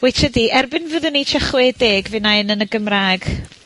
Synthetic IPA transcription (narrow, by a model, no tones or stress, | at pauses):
wejtʰədiʔɛrbɪnvəðənːit͡ʃʰəχwedeːɡvɪnanənəɡəmraɡ̥